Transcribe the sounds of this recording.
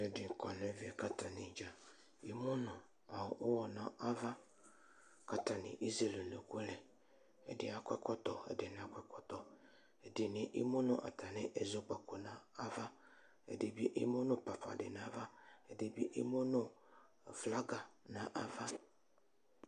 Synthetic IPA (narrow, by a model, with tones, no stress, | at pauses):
ɛ˨dɪ˨kɔ˨nɛ˨vɪ˦ɛ˨ka˦ta˨nɪ̃˨d͡ʒa˨ | i˦mʊ̃˦nʊ̃˨ | a˨ʔʊ˦wɔ˨nã˦ʔa˦va˦ | ka˦ta˨nɪ̰̃˨ʔi˦ze˨le˨ne˨ku˦lɛ˨ | ɛ̰˨dɪ̰˨a˨kʷɛ˦kɔ˦tɔ˨ɛ̰˨dɪ˨nɪ̃˨˦a˦kʷɛ˦kɔ˦tɔ˨ | ɛ˨dɪ˨nɪ̃˨˦ʔḭ˦mʊ˦nʊ̃˦ʔa̰˨tʰa˨nɪ̃˦ʔɛ˨zo˨˦k͡pa˨ko˨nã˦a˦va˦ | ɛ̰˨dɪ˨bi˦ʔɪ˦mʊ̃˦nʊ̃˦pa˨fa̰˨dɪ˨nã˦va˦ɛ˨dɪ˨bi˦ʔi˦mo˦nʊ̃˦˨ | fla˦ɡa˨nã˨ʔa˦va˦